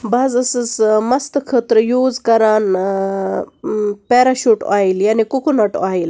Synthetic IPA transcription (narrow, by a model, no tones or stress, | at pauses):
baːzɨsɨsmɐst̪kʰət̪ɾjuːzkɐɾaːn | peːɾɐʃuːʈaːiljaːnikukunɐʈaːil